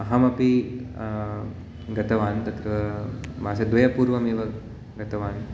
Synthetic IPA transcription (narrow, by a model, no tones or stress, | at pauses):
ɐɦɐmɐpi | ɡɐt̪ɐʋaːnt̪ɐt̪ʰɾɐɐmaːsɐd̪ʋɐjɐpuːɾʋɐmeːʋɐ | ɡɐt̪ɐʋaːn